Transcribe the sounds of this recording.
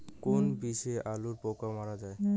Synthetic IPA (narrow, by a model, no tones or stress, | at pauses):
konbiseʔaluɾpɔkamaɹazaej